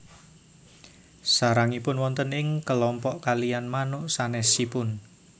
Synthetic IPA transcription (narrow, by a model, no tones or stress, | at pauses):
saɾaŋipʊnwɔnt̪ənɪŋkəlɔmpɔʔkalijanmanʊʔsanɛsipʊn